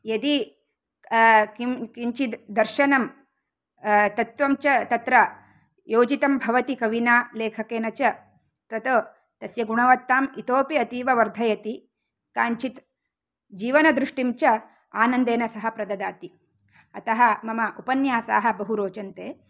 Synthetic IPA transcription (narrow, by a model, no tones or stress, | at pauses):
jɐd̪i | kikiɲt͡ʃid̪ɐɾʃɐnɐm | t̪ɐt̪ʋɐmt͡ʃɐt̪ɐt̪ɾɐ | joːd͡ʒit̪ɐmbʱɐʋɐt̪ikɐʋinaːleːkʰɐkeːnɐt͡ʃɐ | t̪ɾɐt̪ɐ | t̪ɐsjɐɡuɳɐʋɐt̪ːaːmit̪oːpiɐt̪iːʋɐʋɐɾd̪ʱɐjɐt̪i | kaːɲt͡ʃit̪ | d͡ʒiːʋɐnɐd̪ɾuʂʈimt͡ʃɐ | aːnɐnd̪eːnɐsɐɦɐpɾɐd̪ɐd̪aːt̪i | ɐt̪ɐɦɐ̆mɐmɐʔupɐnjaːsa̰ːɦɐ̆bɐɦuɾoːt͡ʃɐnt̪eː